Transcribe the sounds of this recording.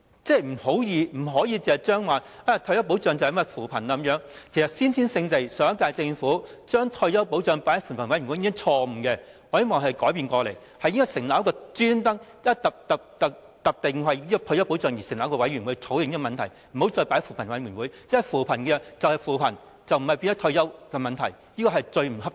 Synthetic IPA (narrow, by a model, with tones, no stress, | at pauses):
t͡sɛː˥˧m̩˨˩ho˨˥wjiː˨˧m̩˨˩ɦɔː˨˥jiː˨˧t͡sɛː˨t͡ʃœː˥ŋwaː˨aː˧t̪ʰœ˧jɐ˥wp̬o˨˥wt͡sœː˨˧ŋt͡sɐ˨hjmɐ˨jfuː˨˩pʰɐ˨˩naː˧˥˦mjœː˨˥ŋkʰe˨˩jsɐ˨t̚siː˥nt̪ʰiː˥nsɪ˧ŋt̪e˨jsœː˨˥kaː˧jt͡sɪ˧ŋfuː˨˥t͡ʃœː˥ŋt̪ʰɔ˧ɥjɐ˥p̬o˨˥wt͡sœː˨˧ŋpaː˨˥jfuː˨˩npʰɐ˨˩nwɐ˨˥jɥwu˨˦˥t͡sʰɔː˧m̩˨˩kɛ˧ | ɔː˨˧˥je˥mɔː˨˩ŋɦɐ˨jkɔː˨˥jpiː˨˧nkɔː˧le˨˩j | hɐ˨ji˥ŋkːɔ˧˥sɪ˨ŋlaː˨˥wkɔː˧t͡syː˥nt̪ɐ˥ŋjɐ˥t̪ɐ˨p̚t̪ɐ˨t̪ɐ˨k̚ | t̪ɐ˨p̚t̪ɪ˨˩ŋwɐ˨jiː˥kɔ˧t̪ʰjɐ˥wpo˨˥wt͡sœː˨˧ŋjiː˨˩sɪ˨ŋlaː˨˥wkɔː˧wɐ˨˥jɥy˨˩nwuː˨˥t͡sʰo˨˥wjɪ˨ŋniː˥kɔ˨mɐ˨nt̪ʰɐ˨˩j | m̩˨˩ho˨˥wt͡sɔː˧jpaː˨˥jfuː˨˩pʰɐ˨˩nwɐ˨˥jɥyː˨˩nwuː˨˥jjɐ˥nwɐ˨jfuː˨pʰɐ˨˩nkɛ˧t͡sɐ˨˧whɐ˨jfuː˨pʰɐ˨˩n | t͡sɐ˨wm̩˨˩hɐ˨˩jpi˧t̪ɔ˥t̪ʰjɐ˥wkɛː˧mɐ˨nt̪ʰɐ̰˨˩j | jiː˥kɔː˧hɐ˨jt͡sɵ˧ɥm̩˨˩hɐ˥p̚